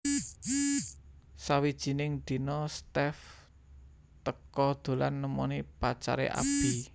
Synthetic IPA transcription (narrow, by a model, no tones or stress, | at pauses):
sawid̥ʒ̥i̤nɪŋd̪̥i̤nɔst̪ɛf | t̪əkɔd̪̥o̤lanːəmɔnipat͡ʃa̰ɾḛʔa̰b̥i̤